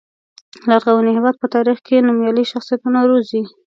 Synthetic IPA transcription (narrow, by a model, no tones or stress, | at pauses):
laɾɣawanihɪwɑd̪̚pət̪ɑɾixkenumjɑliʃaxsijat̪unaɾozi